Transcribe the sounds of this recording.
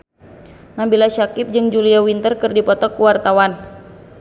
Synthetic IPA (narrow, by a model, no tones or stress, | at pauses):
nabilaʃakɪp̚d͡ʒɨŋd͡ʒuliawint̪ərkɨrdipɔt̪ɔkuwart̪awan